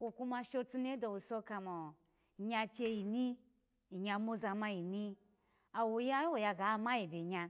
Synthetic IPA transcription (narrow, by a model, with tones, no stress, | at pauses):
wo˨ku˧ma˧ʃo˧t͡su˧ne˦do˧˨wo˨so˧ka˧mo˨ | i˨ɲa˧pʲje˧ji˨ni˦ | i˨ɲa˧mo˦za˧ma˧ji˨ni˦ | a˨wo˧ja˦jwo˨ja˧ɡa˨˦˨ma˦ji˨bʲe˨ɲa˧